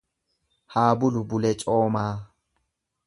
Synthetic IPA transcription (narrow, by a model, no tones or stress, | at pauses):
haːbʊlubʊlɛt͡ʃʼɔːmaː